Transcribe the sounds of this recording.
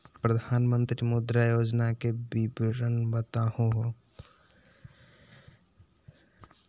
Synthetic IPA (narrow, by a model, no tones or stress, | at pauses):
pɾəd̪ʱaːnmə̃nt̪ɾimud̪ɾajoːd͡ʒnakebibɾənbət̪ahoɦo